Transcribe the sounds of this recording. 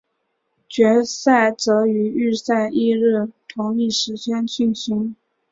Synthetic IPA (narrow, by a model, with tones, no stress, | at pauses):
t͡ɕɥɛ˧˥sa˥˩ɪt͡sɤ˧˥y˧˥y˥˧sa˥˧ɪʔi˥˧ɻ̩˥˩t̪ʰʊ˧˥ŋli˥˩ʂɻ̩˧˥t͡ɕʰɛ˥nt͡ɕʰy˥˩nɕi˥ŋ